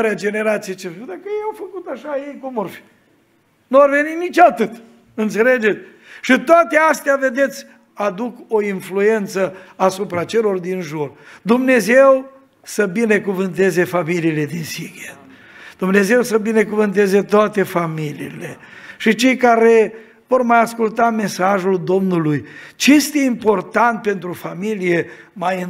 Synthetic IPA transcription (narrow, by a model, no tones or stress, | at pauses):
ɾead͡ʒe̞ne̞ɾat̪sijet͡ʃed̪akəjejawfəkut̪aʃajejkumorfi̥ | nuarve̞ninit͡ʃat̪ɨt̪ | ɨnt̪se̞le̞d͡ʒe̞t̪sʲ | ʃit̪oat̪east̪eave̞d̪e̞t̪sʲ | ad̪uko̞influe̞nt̪səasupɾat͡ʃe̞lo̞rd̪inʒurd̪umne̞ze̞w | səbine̞kuvɨnt̪e̞ze̞familiːle̞d̪insiɡet̪ | d̪̥umne̞ze̞wsəbine̞kuvɨnt̪̬e̞ze̞t̪oat̪e̞familḭːle̞ | ʃit͡ʃe̞jkaɾe̞ | vo̞rmajaskult̪ame̞saʒuld̪o̞mnulujt͡ʃejest̪e̞impo̞rt̪ant̪̚pe̞nt̪ɾufamilije̞majɨn